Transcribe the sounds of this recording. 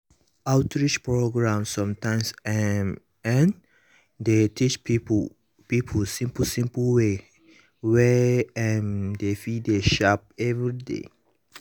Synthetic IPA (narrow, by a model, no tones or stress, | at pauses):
aʊtɹit͡ʃpɹoɡɹãmsɔ̃mtãɪmsɛ | ɛ̃n | detʰit͡ʃ | pipʰəlsĩmpəsĩmpəlwe | wɛɛndefideʃap̚ɛvɹidḛ